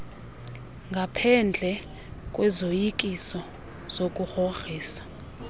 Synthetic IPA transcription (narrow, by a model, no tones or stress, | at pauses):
ŋɡʱapʰɛnd͡ɮʱɛ | kʼwɛzojik̬ʼisɔ | z̥ok̬ʼuxoxiːsḁ